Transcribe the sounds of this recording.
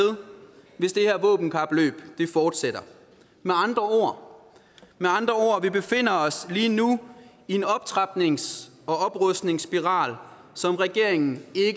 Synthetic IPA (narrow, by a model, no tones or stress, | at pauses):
ðˠʋe̝sd̥e̝hæɐ̰ʋɔ̰̽ːb̥n̩kʰɑ̈b̥lø̰ːb̥d̥e̝fɒːd̥seɾ̥ɐ | meɑ̈nd̥ʁɐo̝̰ɐ̰ | meɑ̈nd̥ʁɐo̝ːɐ̰ʋib̥e̝fe̝n̰ɐɒ̽sliːnu | ie̝nɒ̽b̥̚t͡sʰʁɑ̈b̥ne̝ŋs | ɒ̽ɒ̽b̥ʁœsd̥ne̝ŋsb̥iʁɑ̰̈ːl | sɒ̽mʁɛɡ̥e̝ɐ̰eŋn̩e̝ɡ